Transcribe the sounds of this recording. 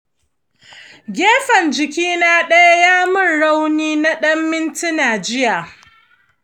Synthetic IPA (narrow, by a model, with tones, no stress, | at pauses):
ɡʲeː˦ɸɐ˨nd͡ʒɪ˨kʲiː˦naː˦ɗɐ˦ja˦jaː˦mʊ˦˨nɽa˦wniː˦na˦ɗɐ˦mːɪ˦ntɪ˦naː˨d͡ʒɪ˦jaː˨